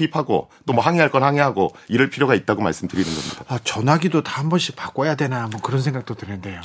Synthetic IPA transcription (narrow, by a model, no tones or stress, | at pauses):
pipʰaɡo̰ | t͈omʌɦaŋeɦaɭk͈ʌnhaŋeɦaɡoiɾɯɭpʰiɾjoɡait̚t͈aɡoma̰ɭs͈ɯmdɯɾinɯnɡʌnḭdoat͡ɕʌnɦaɡidotahambʌnɕ͈ʰipak͈ojadwe̞namwʌkɯɾʌnsʰe̞ŋɡak̚t͈otɯnɯnde̞jo